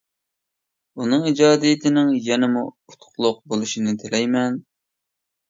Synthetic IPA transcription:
unɨŋid͡ʒɑːd̪ijɪt̪ʰɪnɪŋjɛnɪmu | ut̪ʰχlˠʊq̚bolˠuʃinɪt̪ʰɪlɛjmɛn

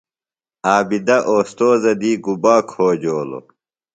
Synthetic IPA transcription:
aːbid̪ɐʔoːst̪oːzɐd̪iːɡubaːkʰoːd͡ʑoːlo̰

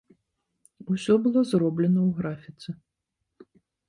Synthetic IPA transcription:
usʲɔbɨlˠɔzrɔblʲɛnɐwɣɾafʲit̪sɨ

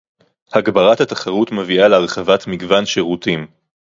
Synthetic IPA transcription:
haɡbaʁathataχaʁutmevialeaʁχavatmiɡvanʃeʁutim

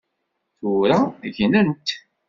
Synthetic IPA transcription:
θuɾaʝnənt̪

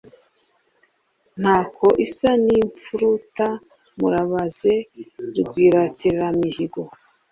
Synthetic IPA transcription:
n̥haːkoʔisaniːɱp͡fuɾuta | muɾaβaze̞ɾɡwiːɾatiɾɾamihiɡo̞

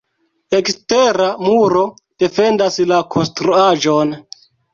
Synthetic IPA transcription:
e̞ksteɾamuɾo̞ | d̥e̞fe̞ndaslakʰo̞nstɾuaʒo̞n

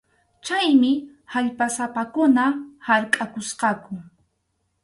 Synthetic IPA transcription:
t͡ʃajmɪ | haʎpasapakʊnahaɾkʼakʊsqɑkʊ

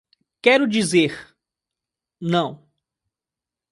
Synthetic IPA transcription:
kɛɾʊd͡ʒizeɾ | nɐ̃w̃

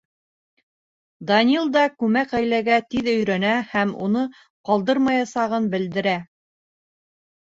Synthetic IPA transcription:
d̪ɐnʲilˠd̪ɑkʉmækæjlæɡæt̪iðɵ̆jɾænæhæmṵnɤ | qɑlˠd̪ɤɾmɑjɑsɑʁɤnbɘ̆ld̪ɘ̆ɾæ

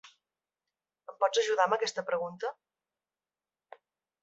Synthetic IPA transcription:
əmpɔd͡zəʒuðaməkɛst̪əpɾəɣunt̪ə

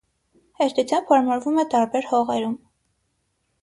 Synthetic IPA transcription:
hɛɾt̪ʰut͡sʰjɑmbhɑɾmɑɾvumɛt̪ɑɾbɛɾhɔʁɛɾum

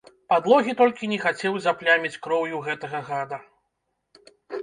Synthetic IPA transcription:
pad̪lˠɔɣʲit̪ɔlʲkʲinʲɛxat͡sʲɛwzʲaplʲamʲit͡sʲkɾɔwjuɣɛt̪ɐɣɐɣad̪ɐ

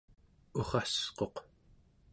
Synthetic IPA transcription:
oχɑsqo̞q

